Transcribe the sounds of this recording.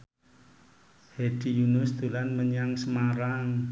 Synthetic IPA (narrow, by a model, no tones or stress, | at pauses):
hed̥ijunʊsd̪̥ṳlanməɲaŋsəmaɾaŋ